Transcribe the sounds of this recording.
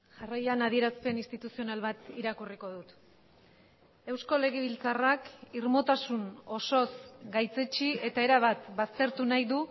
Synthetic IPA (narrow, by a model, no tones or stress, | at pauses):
ʝarajanað̞ie̞ɾaspe̞nist̪it̪usio̞nalβat̪iɾakuriko̞ðut̪ | e̞wsko̞le̞ɣ̞eβilt͡sarakirmo̞t̪asuno̞so̞sɡajt͡se̞t͡ʃie̞t̪ae̞ɾaβ̞at̪bast̪e̞ɾt̪unajðu